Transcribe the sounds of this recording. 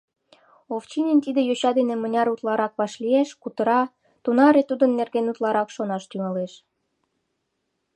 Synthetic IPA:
oft͡ɕinʲent̪id̪ejoɕɑd̪enĕmə̆nʲɑɾut̪lɑɾɑkβɑʃlieʃkut̪ə̆ɾɑ | t̪unɑɾet̪ud̪ə̆nːerɣenut̪lɑɾɑkʃonɑʃt̪yŋɑleʃ

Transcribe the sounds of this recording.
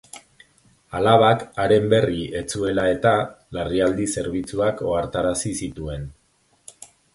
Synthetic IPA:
alaβakaɾe̞mbe̞rie̞t͡sue̞lae̞t̪alariald̪ise̞ɾβit͡suako̞aɾt̪aɾasisit̪ue̞n

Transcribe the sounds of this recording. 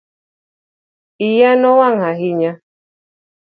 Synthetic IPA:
ijanɔwaŋaɦiɲa

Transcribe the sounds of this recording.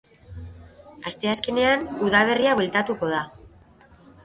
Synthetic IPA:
ast̪e̞aske̞ne̞anuðalβe̞riaβelt̪at̪uko̞ð̞a

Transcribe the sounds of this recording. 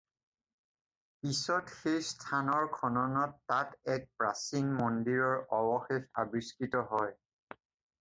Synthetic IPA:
pisɔtxejstʰanɔɹkʰɔnɔnɔtːatɛk̚pɹasiŋmɔndiɹɔɹɔbɔxexa̰biskitɔɦɔj

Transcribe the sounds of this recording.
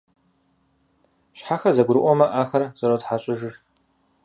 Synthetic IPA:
ɕħaxɐzɐɡʷɾɨʔʷʼɔmɐʔaːxɐrz̥ɐɾowtħaɕʼɪʒɪʒ

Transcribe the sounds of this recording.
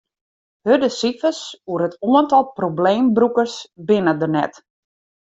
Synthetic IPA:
hødəsifəsuəɾətʰuəntɔlˠprobleːmbrukərsbɪnədənɛ̰t

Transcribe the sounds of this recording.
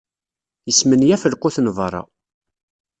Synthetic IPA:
jəsmənjæfəlqʊθnvɾˤɑ̰

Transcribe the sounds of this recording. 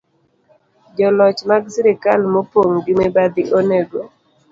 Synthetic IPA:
d͡ʒɔlɔt͡ʃmaɡsiɾɪkalmɔpoŋɡɪmebad̪ɪʔoneɡo

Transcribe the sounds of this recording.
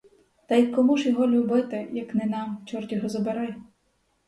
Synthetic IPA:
t̪ɐjkːɔmuʒjɔɦɔlʲubɪt̪ɪjɐknɪnɑmt͡ʃɔrtʲɔɦɔzɔbeɾɛj

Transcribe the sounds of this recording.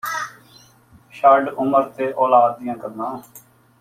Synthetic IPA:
ʃaːɖʊməɾt̪eːʔoːlaːd̪̚ːɪjãːkəɾnãː

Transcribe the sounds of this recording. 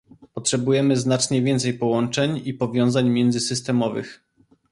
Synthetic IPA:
pɔtʂɛbujɛmɘznat͡ʂɲɛvʲjɛnt̪sɛjpɔwɔnt͡ʂɛɲipɔvʲjɔ̃w̃zaɲmʲjɛnd̪zɘsɘst̪ɛmɔvɘ̰x

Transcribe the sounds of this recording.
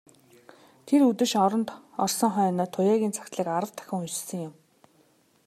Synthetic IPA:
t̪ʰeɾut̪ɘ̆ʃɔɾɞ̆nt̪ɔrsɞ̆ŋχœːnɔːt̪ʰʊjaːɣʲiːnt͡sʰḁkʲt̪ɮiːkaɾə̆w̥t̪ʰːœ̥xʲɪ̆ŋut͡ɕ̆sɘ̆ŋjʊm

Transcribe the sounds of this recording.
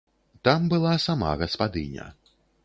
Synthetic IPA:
t̪ambɨlˠasama̰ɣɐspad̪ɨ̰nʲɐ̰

